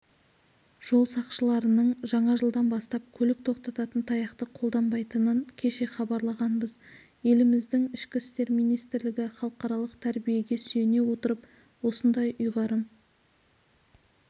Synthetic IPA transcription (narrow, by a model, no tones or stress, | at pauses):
ʒ̥o̞lˠsɑqʃəlˠɑɾənəɴʒɑɴɑʒəlˠd̪ɑnbɑst̪ɑp̚kʲʰɵlɪk̚t̪ʰo̞qt̪ɑt̪ɑt̪ənt̪ʰɑjɑqt̪əqʰo̞lˠd̪ɑmbɑjt̪ənəɴkʲʰe̞ʃe̞χɑbɑɾlˠɑʁɑnbəz | je̞lɪmɪzd̪ɪŋɪʃkʲɪst̪e̞ɾmijnijst̪ɪɾlɪɡʲɪχɑlˠəqɑɾɑlˠəqt̪ʰæɾbije̞ɡʲe̞syjene̞wo̞t̪əɾəp | wo̞sənd̪ɑjʔʊjʁɑɾəm